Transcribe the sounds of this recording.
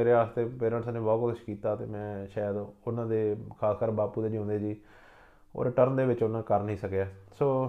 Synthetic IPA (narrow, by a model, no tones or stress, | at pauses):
eːɾeːaːst̪eːpeːɾə̃ɳʈsnẽːbɔːkʊəʃkiːt̪aːt̪ḛːmɛ̃ːʃaːjd̪ʊnãːd̪eːkʰaːskəɾbaːpuːd̪eːd͡ʒõnd̪eːd͡ʒiː | o̰ːɾeʈəɾnd̪eːʋɪt͡ʃʊnãːkəɾnəĩːsəkjaːsoː